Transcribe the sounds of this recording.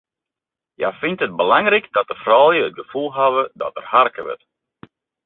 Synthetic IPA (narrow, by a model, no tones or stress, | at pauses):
ja̰fɪntət̚bəlaŋrikdɔt̚əfrɔːlˠjəət̚ɡəfulˠɦaʋədɔ̰tə̰rharkəʋə̰t